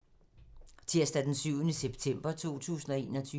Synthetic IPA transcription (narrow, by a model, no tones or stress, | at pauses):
t͡sʰeɐ̰sd̥æd̥ensyʊ̰nəseb̥t͡sʰem̰b̥ɐt͡sʰo̝̰ːt͡sʰṵːsn̩ɒ̽e̝̰ːnɒt͡sʰy